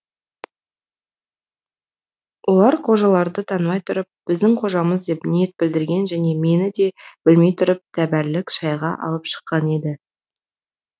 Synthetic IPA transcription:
wʔo̞lˠɑɾqʰo̞ʒɑlˠɑɾd̪ət̪ʰɑnmɑjt̪ʰʊɾəp̚b̥ɪzd̪ɪŋqʰo̞ʒɑməzd̪e̞pnijet̪̚bɪld̪ɪɾɡʲe̞nʒæne̞me̞nɪd̪e̞b̥ɪlme̞jt̪ʰʊɾɪp̚t̪ʰæbæɾlɪkʃɑjʁɑ̰ʔɑ̰lˠəpʃə̥qːɑne̞d̪ɪ

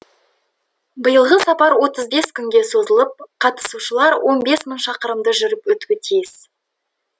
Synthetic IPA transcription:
bəjəlˠʁəsɑpɑɾwo̞t̪əzbe̞skʲʰʏŋɡʲe̞so̞zəlˠəp̚qʰɑt̪ə̥suʃəlˠɑɾwo̞nbe̞sməɴʃɑqəɾəmd̪əʒʏɾɪpwɵt̪kʲɪt̪ʰijɪs

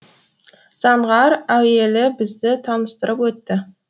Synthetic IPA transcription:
z̥ɑɴʁɑɾæwe̞lɪbɪzd̪ɪt̪ʰɑnəst̪əɾəpwɵt̪ːɪ

